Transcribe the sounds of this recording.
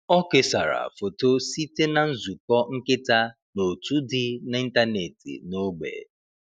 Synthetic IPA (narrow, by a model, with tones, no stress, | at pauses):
ɔ˦ke˨sa˨ɾa̰˨fo˨to˦si˦te˦na˨n̩˦zu˨kɔ˦ŋ̩˦kɪ˦ta˦ | no˨tu˦dɪ˦n˦i˦n̩˦ta˦ne˨tḭ˨no˦ɡ͡bḛ˨